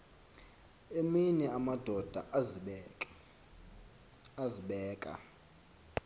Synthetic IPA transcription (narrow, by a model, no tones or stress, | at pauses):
eminɛamad̥ʱɔd̥ʱa̰ʔz | aziɓɛːkʼa̰